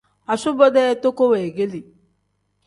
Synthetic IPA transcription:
a˨su˦bɔ˦dɛ˦to˦ko˦wɛ˨ɡe˦li˨

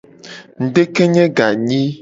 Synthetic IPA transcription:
ŋ̩˨ɖe˦ke˦ɲɛ̃˦ɡa˨ɲĩ˦

